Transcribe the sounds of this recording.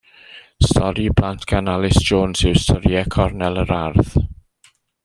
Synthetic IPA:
stʰɔɾibʰlantʰɡ̥analɪsd͡ʒoːnsɪwstʰəɾjɛkʰɔrnɛlˠəɾarð

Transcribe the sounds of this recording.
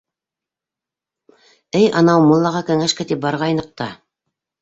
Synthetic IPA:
ɘjʔɑnɑwmŏlˠːɑʁɑkɘ̆ŋæʃkæt̪ip̚bɑɾʁɑjnɤ̆q̚t̪ɑ

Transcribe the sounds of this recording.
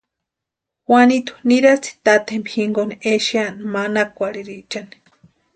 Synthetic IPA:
wanit̪u̥niɾat͡sʰi̥t̪at̪ʰembihiŋɡonieʃianmanakʷaɾiɾit͡ʃani̥

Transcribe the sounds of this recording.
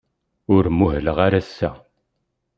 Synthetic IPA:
ʊɾmuɦləʁaɾæsːæ̰

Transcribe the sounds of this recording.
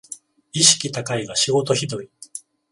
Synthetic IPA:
iɕi̥kʲit̪akaiɡaɕiɡo̞t̪o̞çid̪o̞i

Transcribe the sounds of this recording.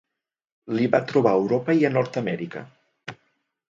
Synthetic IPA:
liβat̪ɾuβ̞aəwɾopəiənɔɾt̪əmɛɾikə̰

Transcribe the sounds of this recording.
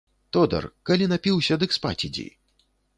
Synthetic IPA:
t̪ɔd̪ɐ̰rkalʲinapʲiwsʲɐd̪ɨkspa̰t͡sʲid͡zʲḭ

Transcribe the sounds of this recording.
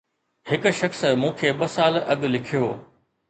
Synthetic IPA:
hɪkʊ̆ʃɐxsmũːkʰeːɓɐsaːlɐɠlɪkʰijoː

